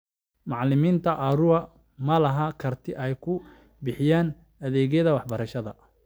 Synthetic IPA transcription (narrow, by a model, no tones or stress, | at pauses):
mɑʕlɪmiːnt̪ʰɐʔɐɾʊɐ | mɐlɐɦɐkʰɐrt̪ʰɪʔɛjkʰʊ | bɪħɪjaːn | ɐðɛːɣɛjðɐwɑħbɐɾɐʃɐðɐ̰